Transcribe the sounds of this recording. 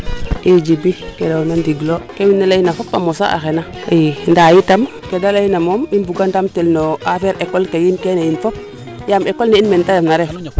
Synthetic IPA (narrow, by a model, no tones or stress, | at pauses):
ked͡ʒibikedanandiɡlokewinːalainafopːa̰mosa̰ʔa̰xenaindajitam | kedalainamominbuɡandamtelnoafeɾʔekːolkejinkenejinfop̚ | jamekolneinmentajamnaɾef